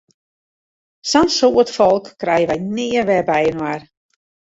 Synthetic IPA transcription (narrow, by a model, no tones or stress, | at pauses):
sansoːətfɔlˠkːrɛjəʋɛjnɪərʋɛrbɛjənwar